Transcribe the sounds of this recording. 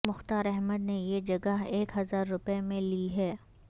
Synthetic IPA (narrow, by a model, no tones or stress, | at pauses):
mʊxt̪aːɾɛɦməd̪nejed͡ʒɐɡəɦeːkɦɐzaːɾːʊpemẽliɦɛː